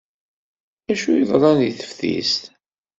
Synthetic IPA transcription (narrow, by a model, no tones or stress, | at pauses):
æʃuiðˤɾˤɑniθə̥fθḭst̪